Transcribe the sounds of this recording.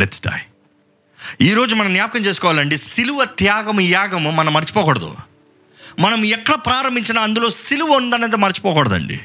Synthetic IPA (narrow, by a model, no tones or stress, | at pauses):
lɛʈsɖa̰ːj | iːɾo̞ːd͡ʒumɐnɐmnjaːp̚kɐmt͡ʃeːs̬u̥kɔːʋaːlɐɳɖisiluʋɐt̪jaːɡɐmjaːɡɐmmɐnɐmːɐɾt͡ʃi̥pɔːkɔːɽɐd̪ṵ | mɐnɐmɛkːɐɽɐpɾaːɾɐmbʱiɲt͡ʃinaɐnd̪uloːsiluʋɐund̪ɐneːd̪emɐɾit͡ʃi̥pɔːkɔɽɐd̪ɐ̰ɳɖḭ